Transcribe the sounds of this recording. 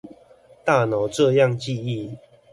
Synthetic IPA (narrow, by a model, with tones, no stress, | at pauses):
t̪a˥˨no˨˦ʈ͡ʂɤ˥˧ja˥˨ŋt͡ɕi˥˧i˥˨